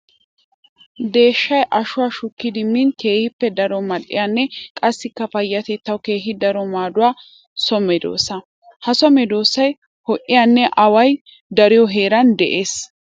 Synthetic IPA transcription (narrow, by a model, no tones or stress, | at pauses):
d̪e̞ːʃːɐjʔɐʃʊwaʃʊkːɪd̪ɪmɪnke̞ːhɪpːɛd̪ɐɾɔmɐɗːɪ̰janːɛkʼɐsːɪkːɐfɐjːɐt̪ɛt̪ːɐwke̞ːɦɪd̪ɐɾɔmaːd̪ʊwaː | sɔmɛd̪o̰ːsːɐ | hɐsɔmɛd̪o̞ːsɐj | hɔʔɪjanːɛʔɐwɐj | d̪ɐɾɪjɔɦe̞ːɾɐnd̪ɛʔe̞ːs